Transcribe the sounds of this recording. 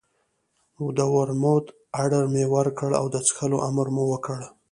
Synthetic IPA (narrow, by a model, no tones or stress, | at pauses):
ud̪əwaɾmot̪ | aɽəɾmewəɾkəɽa̰wd̪ət͡sxəlo̰ʔamɾmuwəkəɽ